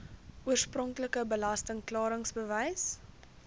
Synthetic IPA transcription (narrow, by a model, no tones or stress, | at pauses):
ʔuərsprɔŋkləkəbəlɐstəŋklɑːɾəŋsbəvɛjs